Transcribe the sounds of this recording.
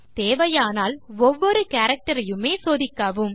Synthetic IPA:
t̪eːʋɐjaːnaːlɔʋːɔɾɯkaːɾɐk̚ʈɐɾɐjɯmeːsoːðɪkːaːʋɯm

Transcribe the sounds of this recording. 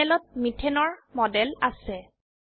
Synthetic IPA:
ɛlɔt̚mitʰɛnɔɹmɔdɛlasɛ

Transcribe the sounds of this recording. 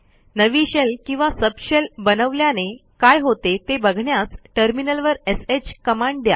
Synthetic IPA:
nəʋiɕəlkĩw̃ʋasəbɕəlbənəʋljanekajɦot̪et̪ebəɡʱɳjasʈəɾminəlʋəɾeset͡ɕkəmãɳɖ̚d̪ja̰

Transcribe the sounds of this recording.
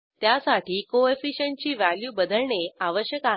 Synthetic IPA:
t̪jasaʈiːkoefiɕəɳ̚t͡ɕiːʋæljuːbəd̪əɭɳeaʋəɕjəka

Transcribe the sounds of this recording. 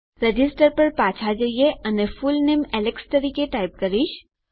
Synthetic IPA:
ɾed͡ʒɪsʈəɾpɐɾpaːt͡ʃʰad͡ʒaijeɐnefʊlneːmɛleksʈɐɾikeʈaːɪp̚kɐɾiʃ

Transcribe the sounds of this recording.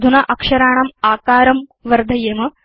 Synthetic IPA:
d̪ʱunɐʔɐkʂɐɾaːɳɐmaːkaːɾɐmʋɐɾd̪ʱɐjɐmɐ

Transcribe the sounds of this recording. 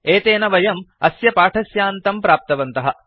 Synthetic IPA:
eːt̪eːnɐʋɐjɐmɐsjɐpaːʈʰɐsjaːnt̪ɐmpɾaːp̚t̪ɐʋɐnt̪ɐɦɐ̆

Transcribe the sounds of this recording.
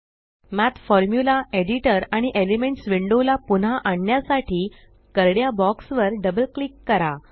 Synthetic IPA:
mæt̪ʰfɔɾmjulaeɽiʈəɾaɽ̃iʔelemeɳʈsʋiɳɖolapunɦaʔaɳːjasaʈʰiː | kəɾɽjabɔksʋəɾɖəbəlklikːəɾa

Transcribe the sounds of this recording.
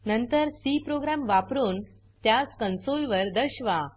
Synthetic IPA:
nənt̪əɾsipɾoɡɾamʋapɾuːn | t̪jaskənsolʋəɾd̪əɕʋa

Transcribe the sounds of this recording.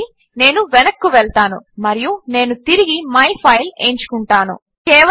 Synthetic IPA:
i | ne̞ːnuʋɛnɐkːuʋɛɭt̪aːnṵmɐɾijune̞ːnut̪iɾiɡimɐjpʰɐjle̞̰ːɲt͡ʃu̥kuɳʈaːnṵ | kɛːʋɐ

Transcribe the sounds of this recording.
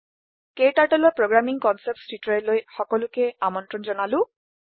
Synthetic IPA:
ketaɹʈɔlɔɹpɹɔɡɹamiŋkɔnsɛp̚tstitɔɹɛlojxɔkɔlʊkɛamɔntɹɔnzɔnalʊ̃

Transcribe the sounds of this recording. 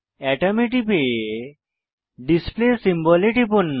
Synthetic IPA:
ɛʈɐmeʈipe | ɖisplesimbɔleʈipunː

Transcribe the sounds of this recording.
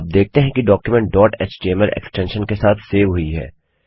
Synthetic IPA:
aːp̚d̪eːk̚ʰt̪eɦɛ̃kiɖɔːkjumɛ̃ɳʈ̚ɖɔːʈet͡ʃt͡ʃeːməɾʔḛksʈɛ̃nʃənkesaːt̪ʰseːʋɦʊiɦɛ̰ː

